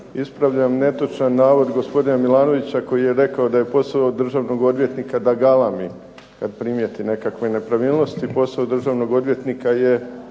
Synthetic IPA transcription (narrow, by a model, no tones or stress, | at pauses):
ispɾaʋʎamne̞t̪ot͡ʃanːaːʋo̞d̪ɡo̞spo̞d̪inamilaːno̞ʋit͡ɕako̞jije̞ɾe̞kao̞d̪aje̞po̞saod̪r̩ʒaʋno̞ɡo̞d̪ʋje̞t̪nikad̪aɡalˠami | kad̪pɾimje̞t̪ine̞kakʋe̞ne̞pɾaʋiːlˠno̞st̪ipo̞saod̪r̩ʒaʋno̞ɡo̞d̪ʋje̞t̪nikaje